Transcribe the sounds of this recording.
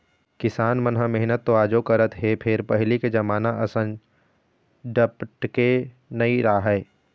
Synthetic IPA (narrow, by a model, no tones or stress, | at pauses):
kɪsaːnmɐnɦamɛɦnət̪ːoaːd͡ʒokɐɾət̪ɦepʰɪɾpɐɦliked͡ʒɐmaːnaʔɐsə̃n | ɖəpʈke | nɐiɾaːɦɛː